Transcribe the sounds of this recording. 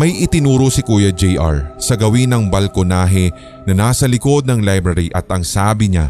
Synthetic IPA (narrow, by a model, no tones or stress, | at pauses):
mɐjʔɪt̪ɪnuːɾosɪkuːjɐd͡ʒɛjʔa̰ɹsɐɡɐwinɐŋbɐlkonaːɦɛ | nɐnaːsɐlɪko̞d̪̚nɐŋlajbɾɐɾiʔɐt̪ʔɐŋsaːbɪɲa̰